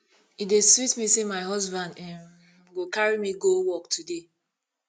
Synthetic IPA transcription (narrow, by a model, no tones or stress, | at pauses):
ideswitmisemaɪɦɔzbãndɛ̃m | ɡokaɹimiɡowɔk̚tʰude